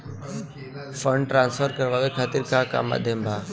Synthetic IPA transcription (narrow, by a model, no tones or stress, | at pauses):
fə̃ɳɖʈɾãːnsfʰəɾkəɾʋaːʋekʰaːt̪ɪɾkaka̰ːma̰ːd̪ʱjəmbʱaː